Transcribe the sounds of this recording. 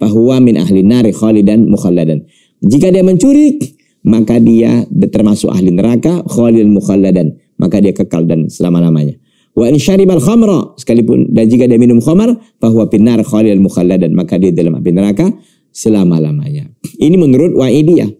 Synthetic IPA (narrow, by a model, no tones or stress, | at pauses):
faɦwamɪnʔa̰ɦlinːaɾxɔlidanmuxalːadan | d͡ʒikadiaməɲt͡ʃuɾik | makadia̰t̪ərmasʊ̰ka̰hlinəɾakaxɔlidanmuxalːadan | mʔa̰kadiakəka̰ldansəlamalama̰ɲa | waʔɪnʃaɾibalxɔmɾɑ̰sə̥kalipʊ̰ndand͡ʒikadiaminʊmxɔmar | paɦwapinːarxɔlidanmuxalːadanmakadiadalama̰linəɾaka | səlamalama̰ɲainimənuɾʊt̪̚waʔidia̰